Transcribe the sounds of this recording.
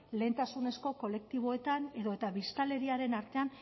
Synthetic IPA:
le̞ːnt̪asune̞sko̞ko̞le̞k̚t̪iβ̞o̞e̞t̪ane̞ðo̞e̞t̪aβist̪ale̞ɾiaɾe̞naɾt̪e̞an

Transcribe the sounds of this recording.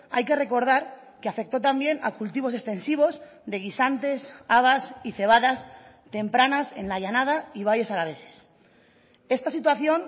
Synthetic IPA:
a̰jkere̞ko̞ɾð̞aɾ | keafe̞k̚t̪o̞t̪ambje̞na̰kult̪iβo̞se̞kst̪ẽ̞nsiβ̞o̞z | ðe̞ɣ̞isant̪e̞saβ̞asiθe̞β̞aðas | t̪e̞mpɾanase̞̰nlaʎanað̞aiβ̞aje̞salaβ̞e̞se̞̥s | e̞st̪asit̪̬waθjo̞n

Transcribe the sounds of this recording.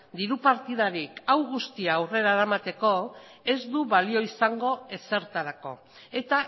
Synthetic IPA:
d̪iɾupaɾt̪iðaɾikawɣust̪iaːwre̞ɾaeɾamat̪e̞ko̞e̞zd̪uβalio̞isaŋɡo̞e̞se̞ɾt̪aɾako̞̰ | e̞t̪a

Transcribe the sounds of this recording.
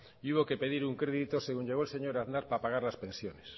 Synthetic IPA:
iuβo̞ke̞pe̞ðiɾuŋkɾe̞ðit̪o̞se̞ɣuɲʎe̞ɣo̞else̞ɲo̞ɾaðnaɾpapaɣ̞aɾlaspẽ̞nsjo̞ne̞s

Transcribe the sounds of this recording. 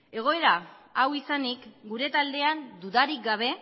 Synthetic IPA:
e̞ɣ̞o̞e̞ɾaawisanikɡuɾe̞t̪ald̪e̞and̪uðaɾik̚ɡaβ̞e̞

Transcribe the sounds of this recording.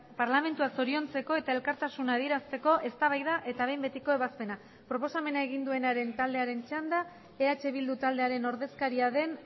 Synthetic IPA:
paɾlame̞nt̪uaso̞ɾio̞nt͡se̞ko̞e̞t̪ae̞lkaɾt̪asunaːðie̞ɾast̪e̞ko̞ʔe̞st̪aβ̞ajðaʔe̞t̪aβe̞jmbe̞t̪iko̞e̞βaspe̞na | pɾo̞po̞same̞nae̞ɣ̞ind̪ue̞naɾe̞nt̪ald̪e̞aɾe̞nt͡ʃand̪a | eat͡ʃe̞β̞ild̪ut̪ald̪eaɾe̞no̞ɾðe̞skaɾiaðe̞n

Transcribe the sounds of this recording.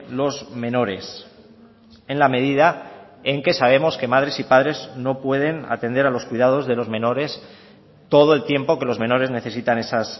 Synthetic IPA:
lo̞zmẽ̞no̞ɾe̞s | e̞nlame̞ð̞iða | e̞ŋke̞saβ̞e̞mo̞ske̞maðɾe̞sipað̞ɾe̞zno̞pwe̞ð̞e̞na̰t̪e̞nd̪e̞ɾalo̞skwiðað̞o̞zðe̞lo̞zmẽ̞no̞ɾe̞s | t̪o̞ð̞oe̞lt̪je̞mpoke̞lo̞zmẽ̞no̞ɾe̞zne̞θe̞sit̪ane̞sas

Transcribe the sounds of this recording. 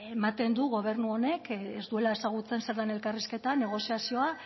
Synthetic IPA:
emat̪e̞nd̪uɣo̞β̞e̞ɾnuo̞ne̞kezd̪ue̞lae̞saɣ̞ut͡se̞nse̞ɾðane̞lkariske̞t̪ane̞ɣ̞o̞siasio̞a

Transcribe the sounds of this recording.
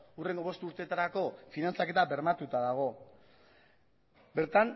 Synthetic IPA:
ure̞ŋɡo̞βo̞st̪uɾt̪e̞t̪aɾako̞finant͡sake̞t̪abe̞ɾmat̪ut̪aðaɣ̞o̞ | be̞ɾt̪an

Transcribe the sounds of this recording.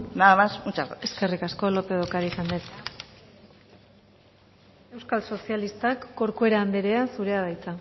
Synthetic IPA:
naðamasut͡ʃaɾaeske̞rikasko̞lo̞pe̞ð̞okaɾisand̪et̪ | e̞wskalso̞sialist̪akːo̞ɾkue̞ɾaːnd̪eɾe̞asuɾe̞aβajt͡sa

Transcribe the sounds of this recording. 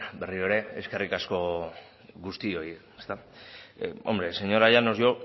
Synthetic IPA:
be̞rio̞eɾe̞eske̞rikasko̞ | ɣust̪io̞iest̪a | o̞̰mbɾe̞se̞ɲo̞ɾaʝano̞zʝo̞

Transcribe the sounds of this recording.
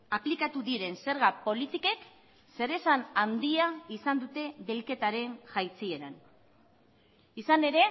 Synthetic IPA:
aplikat̪uðiɾe̞nse̞ɾɣapo̞lit̪ike̞k | se̞ɾe̞sanand̪iaisand̪ut̪e̞βe̞lke̞t̪aɾe̞ŋʝajt͡sie̞ɾan | isane̞ɾe̞

